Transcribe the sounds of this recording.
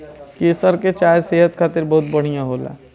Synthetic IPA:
keːsəɾket͡ʃaːjseːɦət̪kʰaːt̪ɪɾbɐɦʊt̪̚bɐɽ̤ijãɦoːla̰ː

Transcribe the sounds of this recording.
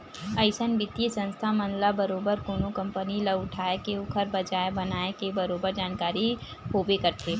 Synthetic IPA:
əɪsənbɪt̪isə̃nst̪ʰamə̃nlabəɾoːbəɾkoːnokɐ̃mpəniləɡʊʈʰaːekeʊkʰəɾbɐd͡ʒaːebɐnaːekebɐɾoːbəɾd͡ʒaːnkaːɾi | hoːbekɐɾt̪ʰe

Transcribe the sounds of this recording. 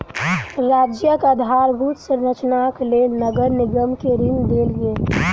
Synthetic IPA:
ɾaːd͡ʒjəkad̪ʱaɾbʱut̪seɾət͡ʃnaklenəɡəɾnɪɡəmkeɾɪŋd̪elɡe

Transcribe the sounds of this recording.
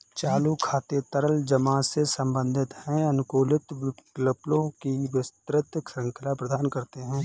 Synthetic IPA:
t͡ʃaːlukʰaːt̪et̪ɐɾəld͡ʒɐmasesə̃mbə̃nd̪ʱɪt̪hɛ̃ɐnʊkoːlɪt̪ləplõkiʋɪst̪ɾɪt̪ksə̃ŋkʰəlapɾəd̪aːnkɐɾt̪eɦɛ̃ː

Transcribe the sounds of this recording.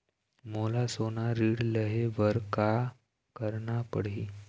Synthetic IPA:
molasonaɾiːɽləɦeʋəɾka | kəɾɳapəɽ̤i

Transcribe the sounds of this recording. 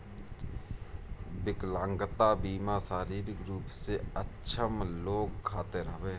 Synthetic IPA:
bɪklãːŋɡət̪abiːmasaːɾiːɾɪkɾuːpseətːʃʰəmloːɡkʰaːt̪eɾəʋeː

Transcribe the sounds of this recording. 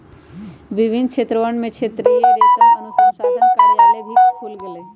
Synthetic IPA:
bibʱinːt͡ʃʰet̪ɾɔʋaɳmet͡ʃʰet̪ːɾeed̪saənusɔʃad̪ʱənkajalebʱit̪kʰulɡele

